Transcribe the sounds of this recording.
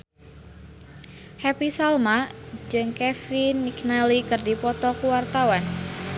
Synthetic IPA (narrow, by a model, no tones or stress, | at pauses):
hɛpisalmad͡ʒɨŋkɛfinmiknalikɨrdipɔt̪ɔkuwart̪awan